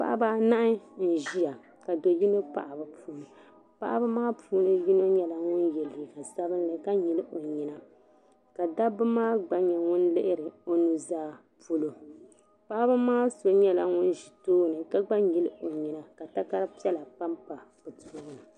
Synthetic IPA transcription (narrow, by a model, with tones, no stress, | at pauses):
pa̰˦ʔa˦ba˦na˦ʔɪ˦n̩˨ʒi˦ja˨ | ka˨do˨ji˦no˦pa̰˨ʔa˨ba˨pʰuː˦lɨ˨ | pa˦ʔa̰˦ba˦maː˦pʰuː˦nɨ˦ji˦no˦ɲɛ˦la˨ŋʊ˦njɛ˨li˨ɡa˨sa˦βɨ˦n˦lɨ˨ka˦ɲi˨lɨ˦ʔo˨ɲi˨na˦ | ka˨da˦bɨ˦maː˦ɡ͡ba˦ɲɛ˨ŋʊ˦nlɨ˦ʔɪ˦ɾɨ˨o˦nu˦zaː˦ | puː˦lo˨ | pa˦ʔa˦ba˦maː˦so˨ɲɛ˦la˦ŋʊ˦n˦ʒi˨toː˦nɨ˨ka˦ɡ͡ba˦ji˦lɨ˦o˨ɲi˨na˨ka˨ta˦ka˦ɾpi˦ɛ˦la˨pa˦mpa˨b̥ɨ˨to˦nɨ˨